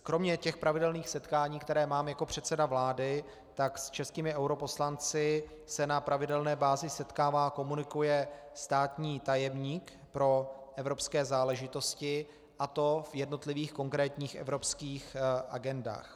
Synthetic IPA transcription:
kɾo̞mɲɛcɛxpɾʔavɪdɛlniːxsɛt̪kaːɲiːkt̪ɛɾɛːmaːmjako̞pr̝̥ɛt̪sɛdavlaːdɪ | t̪akst͡ʃɛskiːmɪʔɛwɾo̞po̞slant͡sɪ | sɛnapɾʔavɪdɛlnɛːbaːzɪsɛt̪kaːvaːko̞munɪkujɛ | st̪aːt̪ɲiːt̪ajɛmɲiːk | pɾo̞ʔɛvɾo̞pskɛːzaːlɛʒɪt̪o̞scɪ | ʔat̪o̞vjɛdno̞t̪lɪviːxko̞ŋkɾɛːt̪ɲiːxʔɛ̰vɾo̞pskiːxʔa̰ɡɛnda̰ːx

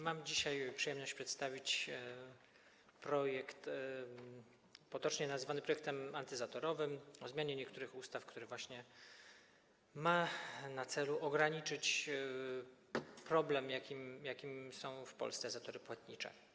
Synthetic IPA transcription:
mamd͡ʑiɕajpʂɨjɛmnɔɕt͡ɕʲpʂɛt̪st̪avʲit͡ɕ | pɾɔjɛkt̪ | pɔt̪ɔt͡ʂɲɛnazvanɘpɾɔjɛk̚t̪ɛmant̪ɘzat̪ɔɾɔvɘmɔzmʲjaɲɛɲɛkt̪uɾɘxust̪afkt̪uɾɘvwaɕɲɛ | manat̪sɛluʔɔɡɾaɲit͡ʂɘt͡ɕ | pɾɔblɛmjakʲimjakʲimsɔ̃w̃fpɔ̰lst̪sɛzat̪ɔɾɘpwat̪ɲit͡ʂɛ̰

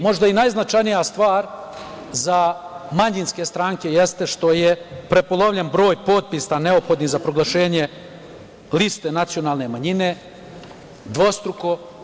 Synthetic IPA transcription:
mo̞ʒd̪ainajznat͡ʃajnijast̪ʋaːɾ | zamaɲinske̞st̪ɾaːŋke̞jest̪e̞ʃt̪o̞jepɾe̞polˠoʋʎenbɾo̞ːjpo̞ːt̪̚pisane̞o̞pxo̞d̪nizapɾoɡlˠaʃe̞ːɲe | list̪enat̪sijo̞naːlˠne̞maɲine | d̪ʋo̞st̪ɾuko̞

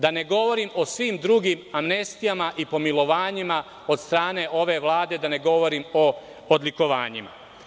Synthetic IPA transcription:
d̪ane̞ɡo̞ʋo̞ɾimo̞sʋiːmd̪ɾuɡimamne̞st̪ijamaʔipo̞milˠo̞ʋaːɲima | o̞d̪st̪ɾaːne̞ʔo̞ʋe̞ʋlˠaːd̪e̞d̪ane̞ɡo̞ʋo̞ɾimoː | d̪liko̞ʋa̰ːɲima̰

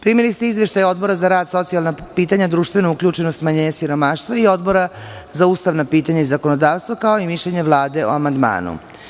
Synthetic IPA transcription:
pɾimilist̪eizʋe̞ʃt̪ajo̞d̪bo̞ɾazaɾaːd̪so̞t̪sijalˠnapiːt̪aɲad̪ɾuːʃt̪ʋe̞nuukʎʲuːt͡ʃe̞nost̪maɲeɲasiɾo̞maːʃt̪ʋaio̞d̪bo̞ɾazauːst̪aʋnapiːt̪aɲaizako̞nod̪aːʋst̪vakao̞imiʃʎeɲe̞ʋlˠaːd̪e̞o̰amand̪ma̰ːnṵ

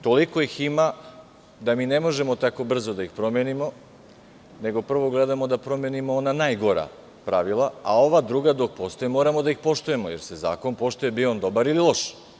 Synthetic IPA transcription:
t̪o̞liko̞jixima | d̪amiːnemo̞ʒe̞mo̞t̪ako̞br̩zod̪aixpɾo̞menimo̞ | ne̞ɡo̞pr̩ʋo̞ɡled̪amo̞d̪apɾo̞menimoonanajɡo̞ɾa̰ | pɾaʋilˠaao̞ʋad̪ɾuɡad̪o̞k̚po̞st̪ojemo̞ːɾamod̪aixpo̞ʃt̪uje̞mojeɾseza̰ːko̞npo̞ʃt̪uje̞biond̪o̞baɾililˠo̞ʃ

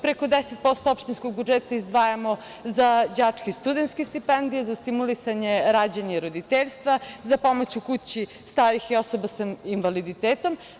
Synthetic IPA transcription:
pɾeko̞d̪eset̪̚po̞st̪oopʃt̪inskoɡbud͡ʒet̪aizd̪ʋaːjamo̞ | zad͡ʑaːt͡ʂkist̪ud̪ent̪skest̪ipend̪ijezast̪imulisaɲe̞ɾad͡ʑeɲaiɾod̪it̪eʎʲst̪ʋazapo̞mot͡ɕukut͡ɕi | st̪aːɾixiosobasainʋalid̪it̪eːt̪o̞m

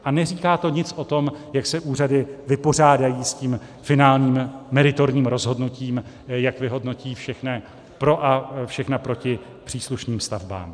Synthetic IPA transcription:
ʔanɛriːkaːt̪o̞ɲɪt͡sʔo̞t̪o̞mjaksɛʔuːradɪvɪpo̞r̝aːdajiːsciːm | fɪnaːlɲiːmːɛɾɪt̪o̞ɾɲiːmɾo̞zɦo̞dnuciːm | jakvɪɦo̞dno̞ciːfʃɛxnɛ | pɾo̞ʔafʃɛxnapɾo̞cɪ | pr̥iːsluʃniːmst̪avba̰ːm

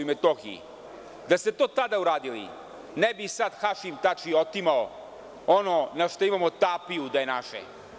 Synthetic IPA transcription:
met̪oxiḭ | d̪aset̪oːt̪ad̪auɾaːd̪ilḭ | nebisad̪xaʃimt̪at͡ʃiot̪imao | ononaʃt̪oimamot̪apijud̪ajenaʃḛ

